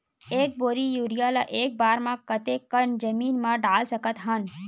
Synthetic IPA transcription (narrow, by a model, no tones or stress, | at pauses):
eːk̚boːɾijuːɾijalaʔeːk̚baːɾmãkət̪ekəɳd͡ʒəmiːnmãɖaːlsəkət̪ɦan